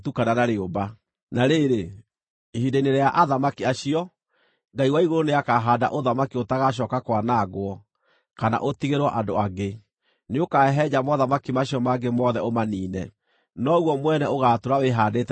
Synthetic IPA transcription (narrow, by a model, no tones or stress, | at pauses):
tukananaɾeoba | naɾeːɾe | hideineɾejaʔaðamakiaɕiɔ | ŋɡaiwaiɣoɾoneakaɦada̰ʔoðamakiotaɣaɕ̬ɔːkakwanaɣwɔ | kana̰ʔotiɣeɾwɔʔandoaɡe | neokaɛɦɛd͡ʑamɔðamakimaɕiɔmaɡemɔðɛomaniːnɛ | nɔɣwɔmwɛnɛoɣatoɾaweɦaːdet